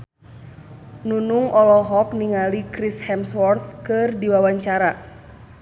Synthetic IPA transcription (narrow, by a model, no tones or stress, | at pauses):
nunuŋʔɔlɔɦɔk̚niŋalikɾishɛmswɔrt̪̚kɨrdiwawaɲt͡ʃaɾa